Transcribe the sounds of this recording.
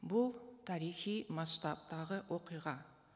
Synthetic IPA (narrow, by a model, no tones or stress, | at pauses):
bʊlˠt̪ʰɑɾijχijmɑsʃt̪ɑp̚t̪ɑʁəwʔo̞qijʁɑ